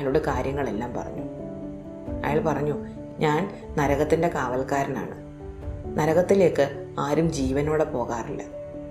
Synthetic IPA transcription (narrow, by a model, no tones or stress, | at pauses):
loɽekaːɾjɐŋːɐɭe̞lːaːmpɐ̰rɐ̰ɲːu | ɐ̰jaːɭpɐrɐɲːu | ɲaːn | nɐɾɐɣɐt̪ːinde̞kaːʋɐlkaːɾɐna̰ːɳɨ | nɐɾɐɣɐt̪ːile̞ːkːɨaːɾumd͡ʑiːʋɐno̞ːɽepo̞ːɣaːrilːɐ̰